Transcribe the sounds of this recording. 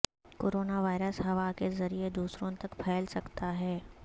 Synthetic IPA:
koːɾoːnaʋaːɪɾəsɦɐʋakezɐɾied̪uːsɾõt̪ɐkpʰɛːlsɐkt̪aɦɛː

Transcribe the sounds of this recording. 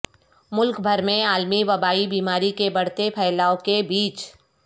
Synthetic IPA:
mʊlkbʱɐɾmẽaːlmiʋɐbaːibiːmaːɾikebɐɽ̤t̪epʰɛːɪlaːõkebiːt͡ʃ

